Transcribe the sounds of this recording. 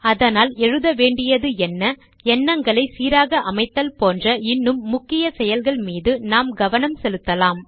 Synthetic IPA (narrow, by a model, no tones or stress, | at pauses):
ɐðɐnaːlɛɻɯðɐʋeːɳɖɪjɐðɯɛnːɐ | ɛnːɐŋɡɐɭɐɪsiːɾaːɣɐʔɐmɐɪt̪ːɐlpoːndrɐɪnːɯmːʊkːɪjɐsɛjɐlɣɐɭmiːðɯnaːmɡɐʋɐnɐmsɛlɯt̪ːɐlaːm